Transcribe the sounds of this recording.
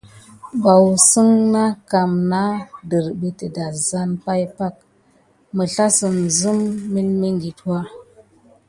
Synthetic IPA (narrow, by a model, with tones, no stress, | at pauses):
ba˨wsɨ˦ŋna˦ka˨mna˦də˨ɾbə˨tə˨da˨za˦npa˦jpa˦k̚ | mə˨ɬa˦sɨ˨nzɨ˦mːi˦lmi˦ŋɡi˨twa˦